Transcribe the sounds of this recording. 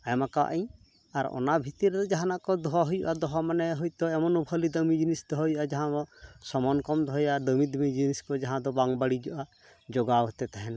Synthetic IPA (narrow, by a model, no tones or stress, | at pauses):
ajmakawa̰ʔaɲ | aɾɔ̰nabʱit̪iɾɛd̪ɔd͡ʒaɦanakɔd̪ɔaɦɔjuʔad̪ɔɦɔmanɛɦɔjt̪ɔɛmɔnubʱəlid̪əmid͡ʒinisd̪ɔɦɔjuʔad͡ʒaɦãbɔsɔmɔnkɔmd̪ʱɔɦjad̪əmid̪ɔmid͡ʒiniskɔd͡ʒaɦãd̪ɔbaŋbaɽid͡ʒɔʔa | d͡ʒɔɡawɦɔt̪ɛt̪aɦɛna